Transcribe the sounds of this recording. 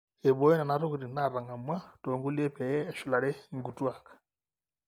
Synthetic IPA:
e˨βo˦e˦na˨naɾuɣu˨ɾi˨na˦ɾa˨ŋa˨mwa˦toː˨ŋɡu˦le˦pe˨jɛː˦ʃu˨la˨ɾe˦ŋɡutwa˨kḁ

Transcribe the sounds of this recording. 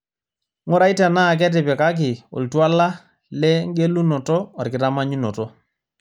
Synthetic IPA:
ŋɔ˦ɾa˨˦i˦tɛ˨naː˦˨k̬ɛ˦t̬ɪ˨pɛ˨ka˦k̬ɪ˨ɔ̰˨ltwa˦la˦ | lɛ˦ŋ˦ɡe˦lu˦nɔ˨tɔ˦a˨rkɪ˨ta˦ma˦ɲu˦nɔ˨tɔ˦

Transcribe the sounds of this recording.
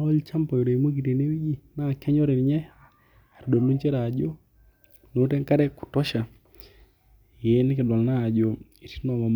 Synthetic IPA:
ɔ˦lt͡ʃa˦mpɔ˨jɔ˨ɾe˨i˨mo˦ɡ̬i˨te˨ne˦wi˦d͡ʒi˦na˦˨kɛ˦ɲɔ˦ɾɪ˨nɲɛ˦ | a˨ɾdo˨mdu˦ɲt͡ʃe˦ɾa˨d͡ʒo˦ | no˨˦tɛ˦ŋka˦ɾɛ˦kʊ̥˨tɔ˦ʃa˨ | je˦nɪ˦kɪ˨dwa˨lna˦˨d͡ʒo˨ | i˨ti̥˦nɔ˨ma˨m

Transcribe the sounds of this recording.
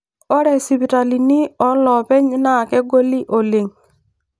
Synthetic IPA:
ɔ˦ɾɛ˨si˨pi˨ɾa˨li˨ni˦ɔ˨˦lɔ˨pɛ˦ɲɪ˦na˦˨kɛ˦ɡo˦li˦ʔo˨le˨ŋ

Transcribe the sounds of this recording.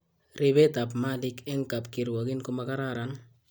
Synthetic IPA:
ɾɪ˦be˦ta˨pmalɪ˦kɛ˦ŋka˨p̚ki˨ɾwa˨ɡi˦nko˦maka˦ɾaɾa˨n

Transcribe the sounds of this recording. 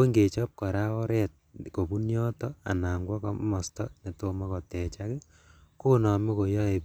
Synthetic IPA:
o˦ŋɡe˨t͡ʃɔ˦p̚kɔ˨ɾa˦ɔ˦ɾɛt̚ko˨bu˦njɔtɔa̰˨naː˨ŋɡwɔ˦kɔmɔ˨stɔne˨tomɔ˦kɔ˨tɛ˨t͡ʃakɛ | ku˦nɔ˨mi˦ko˨jɔ˦e˨

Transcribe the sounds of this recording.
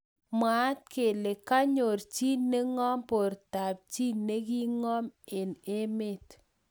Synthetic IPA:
ma˨˦t̚ke˨le˨ka˦ɲo˨ɾt͡ʃi˦ne˦ŋɔ˦mpo˨ɾta˨p̚t͡ʃi˦nːe˦k̬i˦ŋɔ˦me˨ne˦me˦˨t

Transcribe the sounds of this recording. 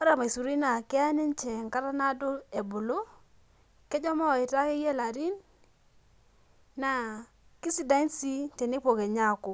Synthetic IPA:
ka˦ɾa˦˨ma˨i˨su˨ɾi˦na˨kɪ˦a˦ne˦n˦t͡ʃɛ˨ŋ˨ka˦ɾa˦na˦do˦e˨bʊ˨lo˦ | ke˦d͡ʒɔ˦mɔ˦˨ɪ˨ta˦ke˦je˦˨la˨ɾi˦n | a˨ | ki˦si˦da˦nsi˦te˨ne˦po˨ke˨ɲa˦˨ko˨

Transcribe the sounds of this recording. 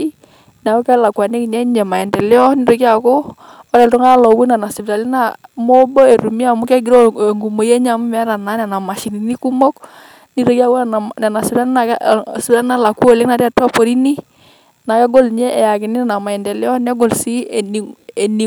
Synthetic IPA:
i˦ | n˨a˨kɔ˦kɛ˦la˨kʷwa˨ne˦kɲɛ˦ɲɛ˨ma˨ɛ˨ndɛ˨lɪ˦ɔ˦ni˦ɾo˨ki˦a˨kɔ˦ | ɔ˦ɾɛ˨ltɔ˦ŋa˦lɔ˨wu˦na˨na˨si˨bɾa˨lɪ˦na˦˨mo˦bɔ˦e˨ɾu˨mi˦a˨mu˦kɛ˦ɡi˨ɾɔ˦˨ŋɡu˨mo˨je˦ɲ˦a˨mu˦mɛ˦ɾa˨na˨˦nɛ˨na˨ma˨ʃi˨ni˨ni˦ku˦mɔ˦k | ni˦ɾo˨˦ki˦a˦wna˨na˨sɪ˨pta˦li˦na˨˦sɪ˨pta˨lɪ˦na˦la˨ku˦o˦˨lɪ˦na˨ɾa˨twa˦pɔ˨ɾi˦ni˦ | na˨kɛ˦ɡo˦lɲɛ˦ʔɛ˨ja˨kɪ˨nɪ˦na˨ma˨ɛ˨ndɛ˨lɪ˦ɔ˦nɛ˦ɡɔ˨lsi˦˨n˨ɛ˨ni˨

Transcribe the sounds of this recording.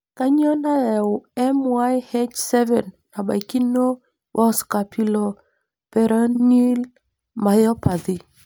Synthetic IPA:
ka˦ɲɔ˦na˦ɛ˨ʊ˨ɛ˦mwa˦jhe˦t͡ʃsɛ˦vɛ˨nːa˨ba̰˨jki˦no˦ | wʔɔ˦ska˨pʰi˨lɔ˨ | pɛ˨ɾa˦ni˦l | ma˨jɔ˦pa˨ði˨

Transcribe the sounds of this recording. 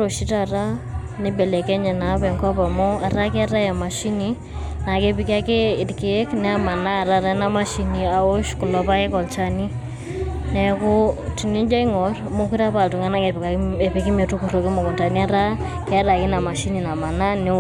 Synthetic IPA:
ɾo˨ʃi˦ta˨ra˦ | nɪ˦bɛ˨lɛ˨kɛ˦ɲɛ˨na˨˦pɛ˨ŋka˦pa˨mɔ˦a˨ɾa˦kɛ˦a˦ɾa˦ja˨ma˨ʃi˦ni | na˨ke˦pɪ˦ka˦ke˦ɪ˨tke˦knɛ˦a˦ma˨na˦˨ɾa˦ɾa˦na˦ma˦ʃi˨ni˨a˨o˦ʃkʊ˨lɔ˨pa˦ke˦kɔ˨lt͡ʃa˦ni˦ | nɛ˨kʊ˦ti˨ni˦d͡ʒa˦i˦ŋɔ˨rmo˦ki˦ɾa˦pa˨ltu˨ŋa˦na˦ŋe˨pe˨pi˨ki˦me˨tu˦ku˨ɾo˨ki˦mɔ˨kɔ˨mta˨ni˦a˦ɾa˦ | kɛ˦a˦ɾa˨ki˦na˨ma˨ʃi˦ni˨na˨ma˨na˦nɪ˦

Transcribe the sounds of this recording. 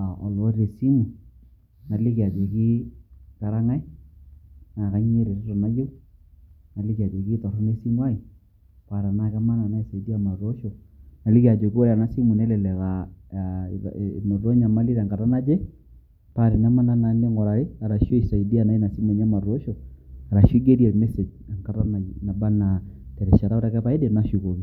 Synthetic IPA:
a˨ɔ˨lɔ˨˦ɾe˨si˦mu˨ | na˨lɪ˦ka˨d͡ʒe˨ki˦ka˨ɾa˦ŋa˦ɪ˦ | na˨ka˦ɲ˦e˦ɾe˨tɔ˦to˨ma˦je˦ | na˨lɪ˦ka˨d͡ʒe˨ki˦tɔ˨ɾʊ˦me˦si˦mwa˦i˨ | pa˨ɾa˨na˦ka˦ma˦na˨na˦i˨sa˨i˨di˦a˨ma˨ɾo˦ʃo˨na˨lɪ˦kja˨d͡ʒo˨ko˦ɾa˨na˦si˦mu˨nɛ˦lɛ˨lɛ˨βa̰˨ | mo˨ɾo˦ɲa˨ma˦li˦ɾa˨ŋɡa˨ta˦na˦d͡ʒɛ˦ | pa˨ɾe˨na˦ma˦na˦na˨˦ne˦ŋɡɔ˨ɾa˨ɾe˦a˨ɾa˨ʃo˦i˨sa˨i˨di˦a˨na˦i˦na˨si˦mu˨ɲ˦a˦ma˨ɾo˦ʃɔ˨a˨ɾa˨ʃo˦ɡe˦ɾi˦a˨mɛ˦se˨d͡ʒ | a˨ŋka˦ta˦na˨na˨ba˦na˨ | tɛ˨ɾɛ˨ʃa˨ɾa˦o˦ta˦kɛ˦pa˨e˦de˦˨na˦ʃu˨ko˨ɣi˦

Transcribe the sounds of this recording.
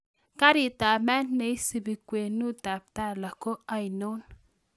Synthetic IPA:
ka˦ɾi˨ta˨mɛ˦nːe˨i˦si˨bi˨kwe˨nu˦ta˨p̚ta˦la˨ko˦a˨i˨no˦n

